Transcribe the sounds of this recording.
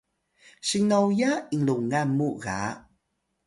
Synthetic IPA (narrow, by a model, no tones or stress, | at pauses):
ɕiŋnawjaiŋluŋamuɣa̰